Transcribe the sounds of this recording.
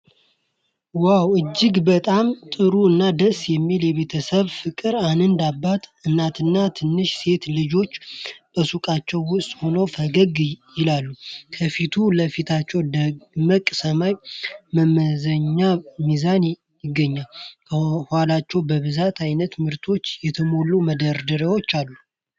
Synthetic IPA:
wawɨd͡ʒːɪɡbət̪ʼamt̪ʼɨɾuɨnːad̪əsjɛmːiljɛβe̞t̪ʰəsəβfɨkʼɨɾanɨnd̪abːat̪ɨnːat̪ʰɨnːat̪ʰɨnːɨʃse̞t̪lɨd͡ʒo̞t͡ʃːb̥əsukʼat͡ʃːɛwːʊst̪ʼho̞nəwfəɡəɡjɪlalːukʰəfit̪ʰuləfit̪ʰat͡ʃːɛwd̪əməkʼsəmajməməzəɲːamizan | jɪɡːəɲːalkʰəhalat͡ʃːɛwbəβɨzat̪ʰajnət̪mɨɾt̪ʰo̞t͡ʃːjɛt̪ʰəmo̞lːuməd̪əɾd̪ɨɾewo̞t͡ʃːalːu

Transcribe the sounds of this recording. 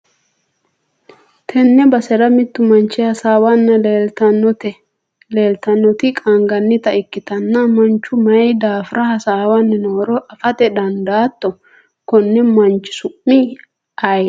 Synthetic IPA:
t̪ʰɛnːɛbɐsɛɾɐmɪt̪ːʊmɐnt͡ʃːɛhɐsaːwɐnːɐlɐnɔt̪ɛ | leːlt̪ɐnːɔt̪ɪkʼɐŋɡɐnːɪt̪ɐɪkːɪt̪ɐnːɐmɐnt͡ʃːʊmɐjd̪aːfɪɾʔɐhɐsaːwɐnːɪnoːɾɔʔɐfɐt̪ɛd̪ɐnd̪aːt̪ːɔ | kɔnːɛmɐnt͡ʃːɪ̥sʊʔːɪ | ɐj

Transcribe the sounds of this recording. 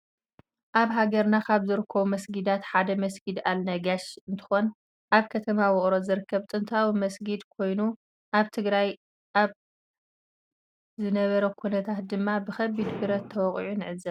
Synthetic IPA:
ʔaβɦaɡɐɾnakʰaβzɨɾɨkʰːɐβumɐsɡid̪at̪ħad̪ɐmɐsɡid̪alnɐɡaʃɨnt̪ʰɨ̥xon | ʔaβkʰɐt̪ʰɐmawɔχʼɾo̞zɨɾɨkʰːɐβt̪ʼɨnt̪ʰawimɐsɡid̪kʰo̞jnu | ʔaβt̪ʰɨɡɾaj | ʔaβ | zɨnɐβɐɾɐkʰunɐt̪ʰat̪̚d̪ɨmːabɨxɐbːid̪fɨɾɐt̪ʰːɐwɔχʼʕunɨʕɨzɐβ

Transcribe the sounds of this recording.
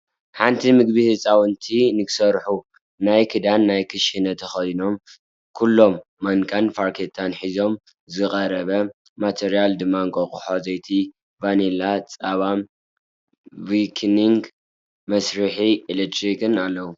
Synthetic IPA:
ħant̪ʰimɨɡbihɨt͡sʼawɨnt̪ʰinɨksɐɾħu | najkʰɨd̪anːajkʰɨʃinɐt̪ʰɐxɐjno̞m | kʰulːo̞mːɐŋkʼanfaɾkʰet̪ʰanħizo̞m | zɨkʼɐɾɐβɐ | mat̪ʰeɾijald̪ɨmːaŋkʼokʼuħozɐjt̪ʰi | vanelat͡sʼaβam | wikʰniŋɡ | mɐsɾɨħiilet̪ʰɾikɨnalːɐwu

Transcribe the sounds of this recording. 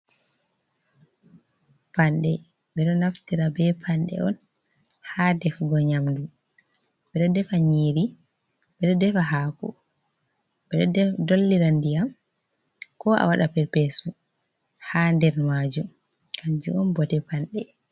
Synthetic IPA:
panɗɛ | bɛɗɔnaftiɾabɛpʰanɗɛ̰ɔn | hadɛfɡɔɲamdu | bɛɗɔdɛfaɲeːɾi | bɛɗɔdɛfaɦaːkɔ̰ | bɛɗɔɛdolːiɾandijam | kɔa̰waɗapɛɾpɛsu | handɛɾmad͡ʒum | kʰand͡ʒuʔɔnbɔtɛpanɗɛ

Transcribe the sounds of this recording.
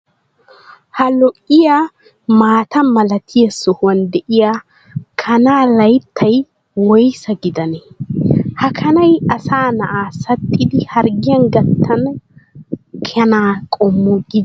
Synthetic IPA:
hɐlɔʔɪja | maːt̪ɐmɐlɐt̪ʰɪjɐsɔhʊwɐnd̪ɛʔɪja | kʰɐnaːlɐjt̪ʰːɐj | wɔjsɐɡɪd̪ɐnɛ | hɐkʰɐnɐjɐsaːnɐʔaːsɐt̪ʼːɪd̪ɪhɐɾɡɪjɐnɡɐt̪ʰːɐn | kʰɛnaːkʼɔmːʊɡɪd̪

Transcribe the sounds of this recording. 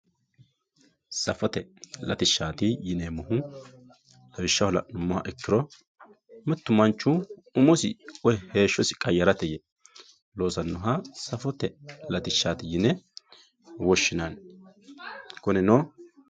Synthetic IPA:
sɐfɔt̪ɛlɐ̰t̪ɪʃːaːt̪ɪjɪnemʊhʊ | lɐwɪʃːɐhɔlɐ̰ʔnʊmːɔhɐ̰ʔɛkːɪɾɔ | mɛt̪ːʊmɐnt͡ʃːʊʊmɔsɪ̰ɔjɛhe̞ːʃːɔsɪ̥kʼɐjːɐɾɐt̪ɛjɛ | lo̞ːsɐnːʊɦɐsɐfɔt̪ɛlɐt̪ɪʃːaːt̪ɪjɪnɛ | wɔʃːɪnɐn | kʊnɛno

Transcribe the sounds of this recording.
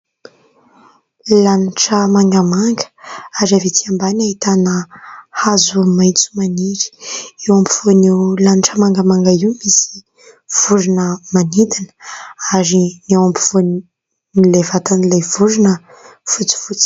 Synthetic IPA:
laniʈ͡ʂəmaŋɡamaŋɡə̥aɾavit̪iambanait̪anəhazumajt͡su̥maniɾi̥ewampiv̥onewlaniʈ͡ʂəmaŋɡamaŋɡaiwmisi̥ | v̥uɾinəmanid̪inə̥aɾinewampi̥v̥on | nilevat̪anilevuɾinə | fut͡si̥fut͡si̥

